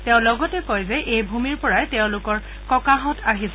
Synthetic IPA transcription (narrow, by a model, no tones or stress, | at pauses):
tɛʊ̃lɔɡɔtɛkojzɛʔejbʱumiɹpɔɹajtɛʊ̃lʊkɔɹ | kɔkaɦɔtʰaɦisɛ